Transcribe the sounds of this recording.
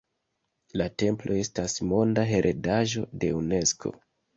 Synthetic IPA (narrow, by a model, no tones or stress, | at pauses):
late̞mplo̞e̞stasmo̞ndaɦe̞ɾʔedaʒo̞de̞une̞skʰo̞̰